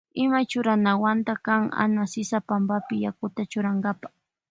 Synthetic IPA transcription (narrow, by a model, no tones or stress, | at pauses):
ɪmat͡ʃʊɾanawant̪akaŋa̰nasɪsapambapɪjakʊt̪at͡ʃʊɾaŋɡapḁχ